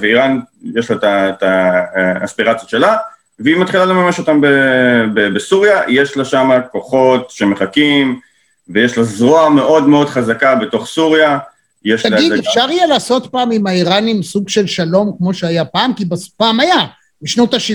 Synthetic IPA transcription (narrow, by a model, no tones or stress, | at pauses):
veiʁanjeʃlataet̪a | aspiʁat͡sjoʃela | veimat̪χilale̞mameʃo̞t̪ambebebesuʁjajeʃlaʃamako̞χo̞tʃeme̞χakim | vejeʃlazʁoame̞ʔo̞dmeo̞dχazakabeto̞χsuʁja | jeʃalaɡid̪efʃaʁijalaːso̞t̪paːmimaiʁanimsuɡʃe̞lʃalo̞mkmo̞ʃeajapaːmkibaspaːmaja | biʃnot̪aʃi